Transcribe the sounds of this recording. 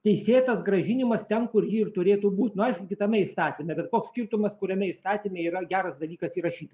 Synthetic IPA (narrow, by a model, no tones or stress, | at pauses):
t̪ʲɛɪsʲeːt̪ɐsɡɾɐʒʲɪnʲɪmɐst̪ʲɛnkʊrjiːɪrt̪ʊɾʲeːt̪uːbuːt̪ʲnʊɐɪʃkʊkʲɪt̪ɐmʲɛɪst̪ɑːt̪ʲiːmʲɛbʲɛt̪koːksʲkʲirt̪ʊmɐskʊɾʲɛmʲɛɪst̪ɑːt̪ʲimʲɛiːɾɐɡʲæːɾɐsd̪ɐlʲiːkɐsiːrɐʃʲiːt̪ɐ